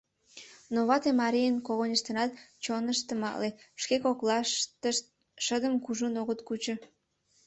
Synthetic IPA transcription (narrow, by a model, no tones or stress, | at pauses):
noβɑt̪emɑɾijənkoɣonʲəʃt̪ənɑt̪̚t͡ɕonəʃt̪əmɑ̰leʃkekoklɑ | ʃəd̪əmkuʒunoɣət̪kut͡ɕŏ